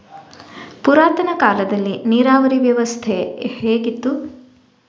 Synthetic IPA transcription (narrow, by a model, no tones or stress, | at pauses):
puɾaːt̪ɐnɐkaːlɐd̪ɐlːiniːɾaːʋɐɾiʋjɐʋɐst̪ʰeheːɡit̪ːu